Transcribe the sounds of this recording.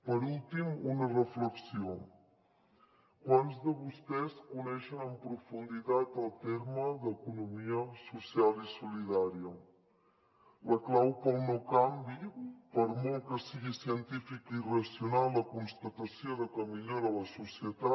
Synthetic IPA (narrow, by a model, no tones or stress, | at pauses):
pəɾulˠt̪imunərəfləksio | kwanzðəβust̪ɛskunɛʃənəmpɾufund̪it̪at̪əlˠt̪eɾməðəkunumiəsusialˠisuliðaɾiə | ləklawpəlˠnokambipəɾmɔlkəsiɣisiənt̪ifikirəsiunalːəkunst̪ət̪əsjoðəkəmiʎoɾələsusjət̪a